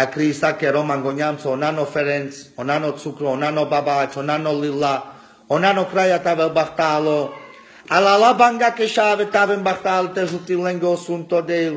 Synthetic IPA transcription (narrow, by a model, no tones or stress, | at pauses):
akɾisakeɾomaŋɡoɲamsonanofeɾent͡sonanot͡sukɾoːnanobabat͡ʃonanolila | onanokɾajat̪aβelbaχt̪alo | alalabaŋɡakeʃaβet̪aβembaχt̪alt̪ezut̪ileŋɡosunt̪od̪ejl